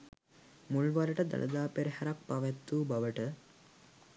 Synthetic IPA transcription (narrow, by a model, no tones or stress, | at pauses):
muɭʋaɾəʈəd̪ə̰lʔə̰d̪aːpeɾihaɾak̚paʋɛt̪ːuːbaʋəʈə